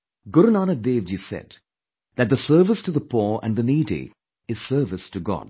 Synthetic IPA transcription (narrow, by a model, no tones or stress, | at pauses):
ɡʊɾənaːnəd̪eːʋd͡ʒisɛ̰d̚ | ðɨt̪̚ðəsɜ˞vɪstuðəpʰɔə̰̃nðəniːɾḭ | ɨz̥sɜ˞vɨstʰɨɡɔ̰d̥̚